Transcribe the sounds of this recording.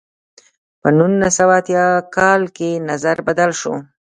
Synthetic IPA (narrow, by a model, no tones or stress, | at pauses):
pənunasawaːt̪jɑkɑlkenazaɾbad̪alʃo̰